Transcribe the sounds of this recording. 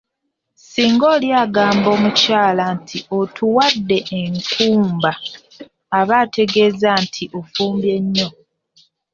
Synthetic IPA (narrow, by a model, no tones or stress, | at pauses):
siːŋɡoːljaɡaːmbo̞ːmucaːlantʰio̞tʰuwadːe̞ːŋkuːmbaː | βaːtʰe̞ɡe̞zantʰiʔo̞fuːmbje̞ɲːo̞